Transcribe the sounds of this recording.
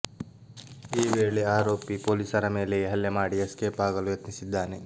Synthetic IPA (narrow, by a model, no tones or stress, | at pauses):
iːʋeːɭeaːɾo̞ːpipo̞ːlisɐɾɐme̞ːleɦɐljɐmaːɽiɐskeːpaːɡɐlujɐt̪nisid̪ːaːne